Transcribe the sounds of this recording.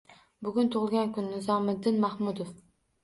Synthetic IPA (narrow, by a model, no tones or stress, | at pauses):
bʊɡʲʊnt̪ʰʊʁlˠɡʲankʰʊnːɪzɒmɪd̪ːɪnmahmʊd̪of